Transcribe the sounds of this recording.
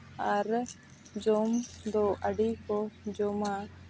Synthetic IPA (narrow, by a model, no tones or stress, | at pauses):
aɾ | d͡ʒɔmd̪ɔʔəɖikɔd͡ʒɔma